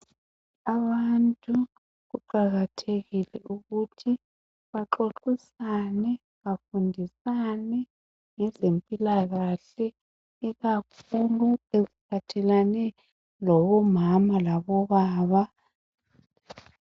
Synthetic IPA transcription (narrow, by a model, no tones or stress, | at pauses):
aβantʼu | ɣuǃaɣatʰeɣilɛuɣutʰi | βaǁoǁisanɛ | βafundʱisanɛ | ŋɛzempʼilaɣaɬɛ | iɣakʰuluezipʰatʰɛlanɛ | lɔβɔmamalaβɔβaːβa